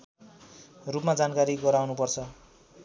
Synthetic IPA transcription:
rupmad͡zankaɾiɡʌɾawnupʌrt͡sʰʌ

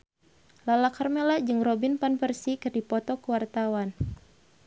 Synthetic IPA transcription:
lalakarmelad͡ʒɨŋrɔbinpanpərsikɨrdipɔt̪ɔkəwart̪awan

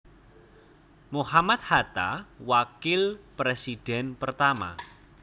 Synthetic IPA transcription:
mohamat̪̚hat̪a̰wakɪlpɾesid̥ɛ̤npərt̪ama̰

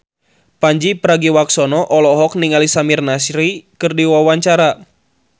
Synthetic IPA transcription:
paɲd͡ʒipəɾaɡiwaksɔnɔʔɔlɔɦɔk̚niŋalisamirnasɾikɨrdiwawaɲt͡ʃaɾa

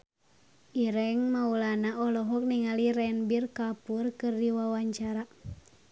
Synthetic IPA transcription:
iɾɛŋmaulanaʔɔlɔɦɔk̚niŋalirɛnbirkapurkɨrdiwawaɲt͡ʃaɾa

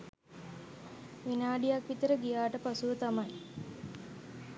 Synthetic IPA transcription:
ʋinaːɖijakʋit̪əɾəɡijaːʈəpasuʋət̪amaj

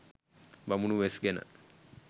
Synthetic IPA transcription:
bamunuʋesɡenə̰

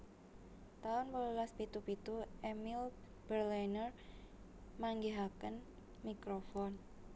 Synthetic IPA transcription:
t̪aʊnpəlulaspit̪upit̪uemil | b̥ərlanər | maŋɡeɦakən | mikɾofɔn

